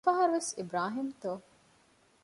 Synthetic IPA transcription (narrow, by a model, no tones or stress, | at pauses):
ɐɦɐɾuʋesibɾaːɦimt̪oː